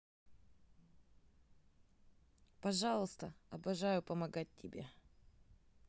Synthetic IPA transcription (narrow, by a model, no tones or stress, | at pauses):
pɐʐɑlˠəst̪əɐbɐʐajʊpəmɐɡat̚ʲtʲːɪbʲe